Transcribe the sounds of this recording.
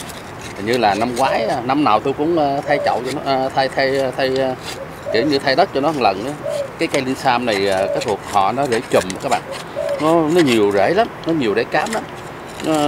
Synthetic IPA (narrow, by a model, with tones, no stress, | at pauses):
ɲɨ˧laː˨˩na˧mkwaː˨˦jʔa˧˩na˧mnaː˨˩wt̪u˧jkʊ̰˧˥ŋ͡mʔːt̪ʰa˧jt͡ɕə̰˧˨wt͡ɕɔ˧nɔ˨˧˦t̪ʰa˧jt̪ʰa˧jt̪ʰa˧j | kḭ˧˩əwɲɨ˧t̪ʰa˧jɗə˦˥t̚t͡ɕɔ˧nɔ˨˦˧ŋlə˨˩nʔaː˨˦kaː˨˦jka˧jli˧nsaː˧mna˨˩jaː˨˩kaː˨˦jt̪ʰu˨˩ək̚hɔ̰˧˨nɔ˨˦zḛ˧˩t͡ɕə˨˩ma˨˩kaː˦˥k̚ɓa̰ː˧˨n | nɔ˨˦nɔ˨˦ɲi˨˩əwzḛ˧˩˦la˨˦mnɔ˨˦ɲi˨˩əwzḛ˧˦kaː˨˦mla˨˦m | nɔ˨˦